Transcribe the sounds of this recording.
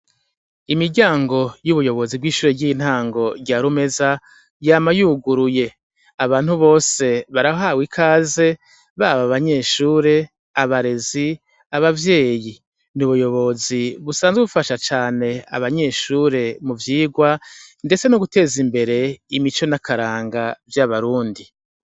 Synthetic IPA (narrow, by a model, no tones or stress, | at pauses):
imiɟaːŋɡo̞juβujo̞βo̞zib̚ɡiːʃuːɾeɟiːin̥haːŋɡo̞ɟaːɾume̞za | jaːmajuːɡuɾuje̞ | aβaːn̥huβo̞ːse̞βaɾahoɦawikʰaːze̞ | βaβaβaɲe̞ːʃuːɾe̞ | aβaɾe̞zi | aβavje̞ːji | nuβujo̞βo̞ziβusaːnzweβufaʃat͡ʃaːne̞a̰βaɲe̞ʃuːɾe̞muvjiːɡwande̞t͡se̞noɡute̞ːzimbe̞ɾe̞imit͡ʃo̞nakʰaɾaːŋɡavjaβaɾuːndi